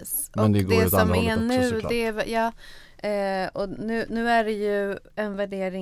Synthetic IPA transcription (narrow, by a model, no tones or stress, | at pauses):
s | ɔɛnd̪ɛɡ̪ɛsɔmɛnʉ̟ːd̪ɛvjɑː | ɔnʉ̟ːnʉ̟ːæɖɛjɵɛnvæɖeːɾɪ